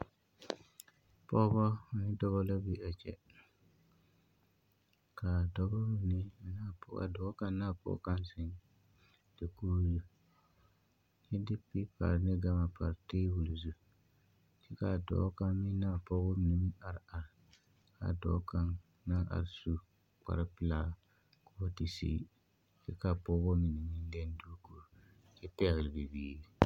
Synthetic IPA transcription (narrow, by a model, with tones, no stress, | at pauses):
pɔ˦bɔ˦ɔ˨nɪ˦dɔ˦bɔ˦la˦bi˦a˨t͡ʃɛ̰˦ | ka˨dɔ˦bɔ˦mi˨ni˦˨naː˦pɔ˨˦a̰˨dɔ˨˦ka˦nːaː˦˨pɔ̰˦ka˦nsɪ˨˦n | d̥ɪ˨kuː˦zu˦ | t͡ʃɛ˦dɪ˦pi˦pa̰˨ɾnɪ˦ɡa˦ma˨pa˨ɾteː˦wu˨lzu˦ | si˦ka˨dɔ̰ː˨˦ka˦mi˦na˦˨pɔ˦ɡo˦mi˨ni˨mi˦na˨ɾa˨ɾ | ka̰˨dɔ̰ː˨˦ka˦n | na˦ʔa̰˨ɾsu˦ | k͡pa̰˨ɾa˦pɪ˦˨la˨ | ko˦o˦ti˨sḭː˦ | sɪ˦ka˨pɔ˦ɣo˦mi˨ni˨mi˦n˦de˦n˦du˦ku˨ɾ | d͡ʒɪ˦pɛ˦ɣɪ˨lbi˨biː˨˦